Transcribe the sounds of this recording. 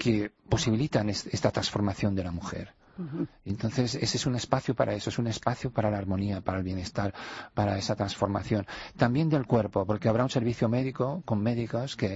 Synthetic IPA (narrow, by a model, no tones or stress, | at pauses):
kepo̞siβ̞ilit̪anesest̪at̪ɾansfo̞ɾmaθjo̞nd̪e̞lamuxḛɾ | ent̪o̞nθe̞sesesune̞spaθjopaɾae̞soesune̞spaθjopaɾalaːɾmo̞niapaɾaelβje̞ne̞st̪aɾpaɾaesat̪ɾansfo̞ɾma̰θjo̞nt̪ambje̞nd̪e̞lkwe̞ɾpo̞po̞ɾke̞aβ̞ɾaunse̞ɾβiθjome̞ðikoko̞mme̞ðiko̞ske